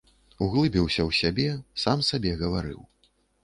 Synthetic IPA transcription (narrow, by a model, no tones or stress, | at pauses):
uɣlˠɨbʲɛwsʲɐwsʲabʲɛsamsabʲɛɣɐvaɾɨ̰w